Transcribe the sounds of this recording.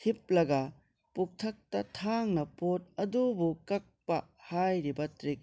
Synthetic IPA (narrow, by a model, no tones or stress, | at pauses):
ip̚lɐɡɐ | puk̚tʰɐk̚tɐtʰaŋnɐpot̚ɐdubukɐk̚pɐhajɾibɐtɾik̚